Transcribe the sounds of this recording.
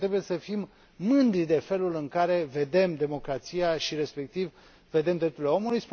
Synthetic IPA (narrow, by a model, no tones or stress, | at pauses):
ɾe̞buje̞səfimː | ɨnd̪ɾid̪e̞fe̞lulɨŋkaɾe̞ve̞d̪e̞md̪e̞mo̞kɾat̪sijaʃiɾe̞spe̞k̚t̪iv | ve̞d̪e̞md̪ɾe̞p̚t̪uɾileo̞mulujsp